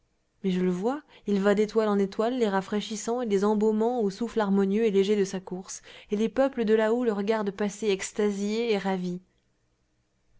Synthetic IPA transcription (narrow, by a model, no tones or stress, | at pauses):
mɛʒələvwailvad̪et̪walɑ̃net̪walːeʁafχeʃisɑ̃ed̪ezɑ̃bomɑ̃osuflaʁmɔnjøeleʒed̪əsakuʁselepœpləd̪əlaoləʁəɡaʁd̪paseɛkst̪azjeːʁavi